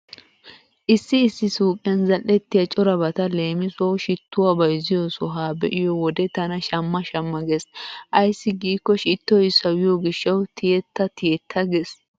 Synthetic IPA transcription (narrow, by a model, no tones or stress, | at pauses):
ʔɪsːɪːsːɪsuːkʼɪjɐnzɐlːɛt̪ːɪjɐt͡ʃʼɔɾɐbɐt̪ɐle̞ːmɪsoːʃɪt̪ːʊwabɐjzɪjosɔɦaːbɛʔɪjɔwɔd̪ɛt̪ɐnɐʃɐmːɐʃɐmːɐɡɛsʔɐjsːɪɡiːkːɔʃɪt̪ːɔjsɐwɪjɔɡɪʃːɐwt̪ʰɪɛt̪ːɐt̪ɪjɛt̪ʰːɐɡes